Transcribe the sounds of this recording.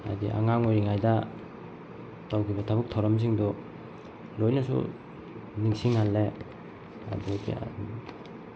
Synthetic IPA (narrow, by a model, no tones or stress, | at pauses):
a̰diʔa̰ŋaŋojɾiŋajda | tawkʰibɐtʰabuk̚tʰawɾɐms̬iŋdɔ | lojnasṵ | niŋsiŋhalːe | a̰dukḭa̰